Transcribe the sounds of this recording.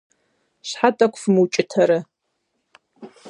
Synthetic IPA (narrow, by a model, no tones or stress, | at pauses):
ɕħatʼɐkʷʰfmɨwt͡ʃʼɪtʰɐɾɨ